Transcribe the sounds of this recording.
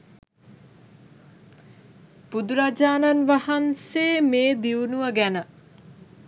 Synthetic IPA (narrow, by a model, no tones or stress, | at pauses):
pud̪uɾad͡ʒaːnanʋahanseːmeːd̪iunuʋəɡænə